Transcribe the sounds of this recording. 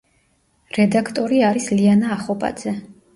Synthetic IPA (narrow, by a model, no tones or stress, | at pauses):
ɾɛd̪akʰt̪ʼɔɾiaɾislianaːχɔpʼa̰d̪z̥ɛ